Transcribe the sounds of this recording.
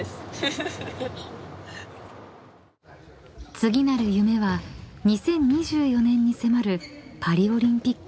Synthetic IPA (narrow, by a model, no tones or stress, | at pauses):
s | t͡sɨɡʲinaɾɯ̟jɯ̟me̞βaɲ̟isẽ̞ɲ̟ːiʑɨːjo̞nẽ̞ɲ̟ːise̞maɾɯ̟paɾʲio̞ɾʲĩmpʲikː